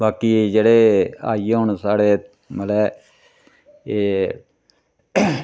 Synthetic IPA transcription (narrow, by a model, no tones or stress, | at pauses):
baːkiːd͡ʒeːɽeːa̰ːiːeɦoɳsaːɽeː | məlɛː | eː